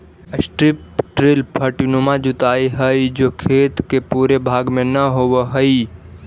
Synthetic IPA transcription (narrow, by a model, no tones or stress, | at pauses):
əsʈɾɪp̚ʈɾɪlpʰəʈinumad͡ʒʊt̪aːiɦəid͡ʒokʰeːt̪kepuːɾebʱaːɡmẽnəɦowəɦəi